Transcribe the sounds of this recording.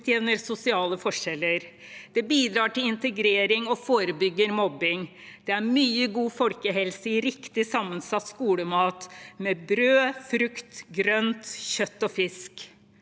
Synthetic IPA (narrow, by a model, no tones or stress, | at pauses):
t̪ʰjɛʋnəɾsʊsɪɑːləfɔʂɛlːəɾd̪̥ɛbiːd̪ɾɑːʈɪlɪnt̪əɡɾeːɾɪŋɔfoːɾəbʏɡːəɾmɔbːɪŋ | d̪̥ɛæɾmyːəɡuːfɔlkəɦɛlsəɪɾɪkt̪ɪsɑmːənsɑt̪ːskuːləmɑːt̪mɛbɾøːfɾʉkt̪ɡɾœnt̪çœt̪ːɔfɪsk